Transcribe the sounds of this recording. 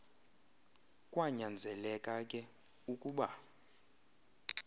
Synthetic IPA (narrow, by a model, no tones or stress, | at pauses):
kʼwaɲand͡zʱɛlɛkʼakʼɛ | ukʼuɓa